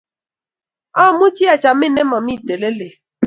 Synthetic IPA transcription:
a˦˨mu˦t͡ʃi˦a˨t͡ʃa˨mɪ˦˨ne˦mɔ˨mi˦˨te˨le˦le˨

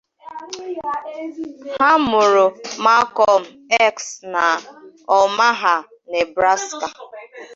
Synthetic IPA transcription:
ha˦mʊ˨ɾʊ˨ma˦kɔ˦m̩˨ɛ˦ksna˨ | ɔ˨ma˦ɦa˨ | ne˨bɾa˦ska˨

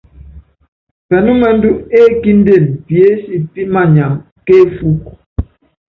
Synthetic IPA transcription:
pɛ˨nu˦mɛ˦n̩˦du˦ʔe˦ki˦n̩˦de˦˨npje˦si˦pi˦ʔma˦˨ɲa˨ŋ | ke˦fu˦k

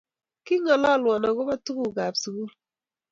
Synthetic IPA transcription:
ki˦ŋa˨la˦˨lwɔ˨na˨ɡɔ˦ba˦tu˦ɡu˦ɡa˨bsu˨ɡu˦l

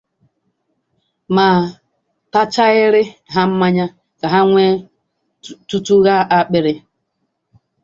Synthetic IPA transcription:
ma˨ | ta˦t͡ʃa˦ɣɪ˦ɾɪ˦ɦa˦m̩˦ma˦ɲa˦ | ka˨ɦa˦ŋʷe˦ | tu˦tu˦ɣa˦ʔa˦k͡pɪ˦ɾɪ˦

